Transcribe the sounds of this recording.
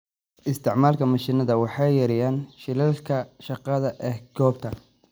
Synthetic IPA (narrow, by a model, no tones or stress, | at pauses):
ʔɪst̪ʰɪʕmaːlkʰɐmɐʃinɐðɐwɑħɑjjɐɾɪjaːnʃɪlɛlkʰɐʃɑqɑðɐʔɛːhɡɔːb̚t̪ʰɐ